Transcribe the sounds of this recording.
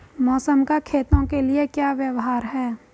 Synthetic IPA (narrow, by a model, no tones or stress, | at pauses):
mɔːsəmkakʰeːt̪õkeliekjaːʋjəwɦaːɾɦɛː